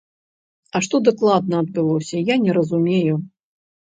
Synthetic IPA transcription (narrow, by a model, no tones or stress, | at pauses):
ɐʂt̪ɔd̪aklˠad̪̚nɐɐd̪̚bɨlˠɔsʲɐjanʲɛɾɐzumʲeju